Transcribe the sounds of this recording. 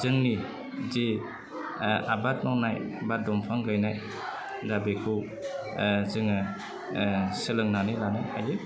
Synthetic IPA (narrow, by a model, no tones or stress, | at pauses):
zɯŋni | ze | abat̚nɔwnajbat̚dɔmpʰaŋɡajnaj | dabekʰɯw | zɯŋa | sɯlɯŋnanɯlanaja̰jɯ